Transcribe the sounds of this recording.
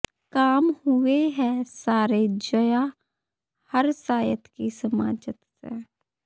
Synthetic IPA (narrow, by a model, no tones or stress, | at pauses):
kaːmhʊeɦɛ̃saːɾed͡ʒəja | həɾsaːjət̪kisəma̰ːd͡ʒət̪sḛ